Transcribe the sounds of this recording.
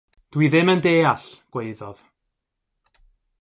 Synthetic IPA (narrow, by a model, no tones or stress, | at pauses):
d̥wiðɪməndeːaɬɡ̥weɨðɔð